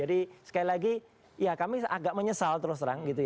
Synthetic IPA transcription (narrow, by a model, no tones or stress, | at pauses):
adisə̥kailaɡi | jakamia̰ɡaʔməɲəsalt̪əɾʊst̪əɾaŋɡit̪uj